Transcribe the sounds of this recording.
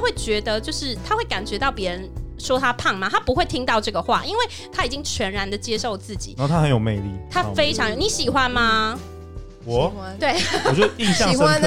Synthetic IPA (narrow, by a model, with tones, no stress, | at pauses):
a˥xwe˥˩ɪt͡ɕɥɛ˧˥d̪ə˧t͡ɕjo˥˧ʊʂɻ̩˥˩t̪ʰa˥xwe˥˩ɪka˨˩nt͡ɕɥɛ˧˥t̪ɑ˥˩ʊpjɛ˧˥ɻə˧˦nʂwɔ˥t̪ʰa˦pʰa˥˩ŋma˩t̪ʰa˥pu˧˥xwe˥˩ɪt̪ʰi˦˥ŋt̪ɑ˥˧ʊʈ͡ʂɤ˥˩ɡə˩xwa̰˥˨˩ʔi˥nwe˥˩ɪt̪ʰa˥i˨˩t͡ɕi˦˥ŋt͡ɕʰɥɛ˧˦˥nɻa˧˥nd̪ə˨t͡ɕjɛ˥ʂo˥˧ʊt͡sɹ̩˥˩t͡ɕḭ˨˩na˦˥˨t̪ʰa˦˥ə˧˦njo˨˩ʊme˥˧ɪlḭ˥˩t̪ʰa˦fe˥ɪʈ͡ʂʰɑ˧˦ŋjo˨˩ʊni˨˥ɕi˨˩xwa˦nma˧ | wɔ˨˦t̪we˥˩ɪwt͡ɕjo˥˧i˥˧ɕɑ˥˨ŋ˩˥˦